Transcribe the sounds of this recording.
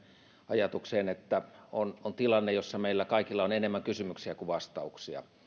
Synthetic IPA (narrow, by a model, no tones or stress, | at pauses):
ɑjɑt̪ukseːnet̪ːæonont̪ilɑnːejosːɑmeilːækɑikilːɑonenemːæŋkysymyksiækuʋɑst̪ɑuksiɑ̰